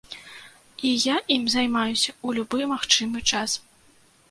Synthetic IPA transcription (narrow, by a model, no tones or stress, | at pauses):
ijaimzajmajusʲɐulʲubɨmaxt͡ʂɨmɨt͡ʂas